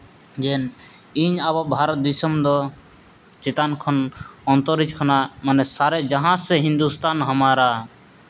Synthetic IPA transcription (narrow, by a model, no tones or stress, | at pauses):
d͡ʒɛniɲabɔbʱaɾɔt̪̚d̪isɔmd̪ɔ | t͡ʃet̪ankʰɔnɔnt̪ɔɾid͡ʒkʰɔnamanɛsaɾɛd͡ʒaɦãsɛɦind̪ust̪anɦɔmaɾa